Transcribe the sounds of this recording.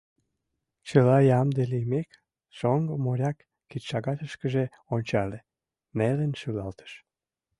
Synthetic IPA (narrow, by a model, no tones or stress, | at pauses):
t͡ɕəlɑjɑmd̪elimek | ʃoŋɡomoɾʲɑkː | it̪ʃɑɣɑt̪əʃkəʒe | onʲt͡ɕɑle | nelənʃylɑlt̪ə̥ʃ